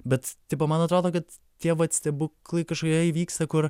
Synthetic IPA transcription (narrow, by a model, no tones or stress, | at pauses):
bʲɛt̪t̪ʲɪpɐmɐnɐt̪ɾoːd̪oːkɐt̪ | t̪ʲiɛʋɐt̪sʲt̪ʲɛbʊklˠɐɪkɐʃkokʲiɛiʋʲiːkst̪ɐkʊr